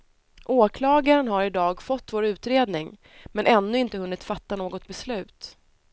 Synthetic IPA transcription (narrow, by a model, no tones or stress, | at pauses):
ʔoːkʰlɑːɡaɾənɦaɾɪd̪ɑːɡfɔt̪ːvoːɾʉ̟ːt̪ɾeːd̪nɪŋ | mɛnʔɛnːɵɪnt̪əhɵnːɪt̪fat̪ːanoːɡɔt̪̚bɛslʉ̟ːt̪